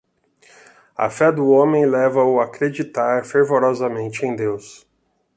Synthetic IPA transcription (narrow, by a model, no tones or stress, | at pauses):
ɐ̰fɛd̪ʊõmẽj̃lɛvɐʊakɾed͡ʒit̪aɾfeɾvoɾɔzɐmẽnt͡ʃɪẽj̃d̪ews